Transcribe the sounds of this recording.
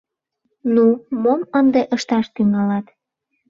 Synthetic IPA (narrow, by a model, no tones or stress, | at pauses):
numomənd̪eʔəʃt̪ɑʃt̪yŋɑlɑt̪